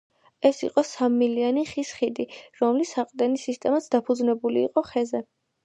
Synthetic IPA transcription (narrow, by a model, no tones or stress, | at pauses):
ɛsḭqʼɔsamːilianiχisχid̪iɾɔmlisaqʼd̪ɛnisist̪ʼɛmat̪sʰd̪apʰud̪znɛbulḭːqʼɔχɛzɛ